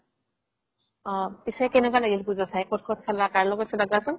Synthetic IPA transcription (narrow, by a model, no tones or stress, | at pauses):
ɔpisakɛnɛkwalaɡilpuzasajkʰɔtkʰɔtsalakaɹlɔkɔsɔdaɡasɔn